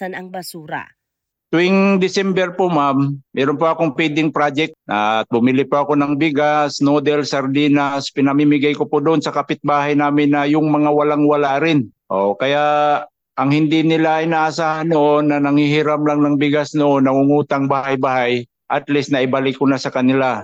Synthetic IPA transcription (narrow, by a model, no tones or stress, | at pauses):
sanɐŋbɐsuːɾa̰ | t̪ʊwɪŋd̪ɪsɛmbɛɾpomamːɛːɾonpoɐko̞ŋpwid̪ɪŋpɾad͡ʒɛk̚tʔat̪̚bʊmilɪpoɐko̞nɐŋbɪɡasnod̪ɛlsɐɾd̪iːnaspɪnɐmimɪɡajkopʊd̪oʔonsɐkapɪt̪̚baːɦajnaːmɪnːɐjʊŋmɐŋawɐlaŋwɐlaʔɾɪnʔoʔkɐjaʔ | ʔɐŋhɪnd̪ɪnɪlajnaːʔasaːhanːoʔonːɐnɐŋhihɪɾamlaŋnɐŋbɪɡasnoʔo̞nːɐŋʊŋuːt̪ɐŋbaːhɦajbahaj | ʔɐt̪list̪nɐʔɪbalɪkːonasɐkɐnɪla